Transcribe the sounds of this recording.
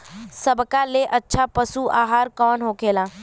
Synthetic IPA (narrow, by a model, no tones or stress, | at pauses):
səbkaleʔɐtːʃʰapəsuʔaːɦaːɾkɔːnɦoːkeːlaː